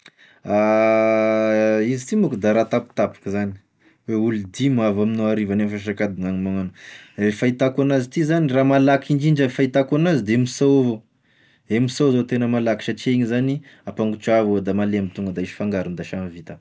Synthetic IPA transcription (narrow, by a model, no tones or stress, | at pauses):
a | izit̪imukud̪aɾat̪api̥t̪apḁkəzani̥ | weulid̪imavaminoaɾivanemfaʃ̬akad̪iŋaŋimaŋanuefait̪akanazit̪izaniramalakʰiɳd͡ʒiɳd͡ʒafait̪akanazid̪eemisawavo | emisowzat̪enəmalaki̥ʃat͡ʃeɲizani | apaŋɡut͡ʃuavod̪amaleamit̪uŋɡəd̪aiʃi̥faŋɡaɾund̪aʃamivit̪a